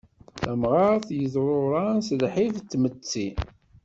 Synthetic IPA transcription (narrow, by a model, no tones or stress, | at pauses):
θæmʁɑɾθjəzˤɾˤoɾˤɑnsəlħift͡s̪ːmət͡sːi